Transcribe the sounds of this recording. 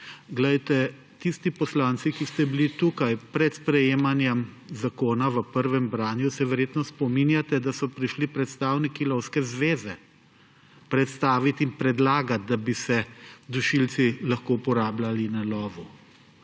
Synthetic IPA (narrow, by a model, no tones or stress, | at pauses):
ɡlɛjt̪ɛ | t̪ist̪ipɔslaːnt̪sikist̪ɛbilit̪ukajpɾɛt̪spɾɛjeːmanjɛmzakoːnaʋəpəɾʋɛmbɾaːnjusɛʋɛɾjeːt̪nɔspɔminjat̪ɛd̪asɔpɾiʃlipɾɛt̪st̪aːwnikilɔwskɛzʋeːzɛ | pɾɛt̪st̪aːʋit̪inpɾɛd̪laːɡat̪̚d̪abisɛd̪uʃilsilaxkoupɔɾaːblalinalɔːʋu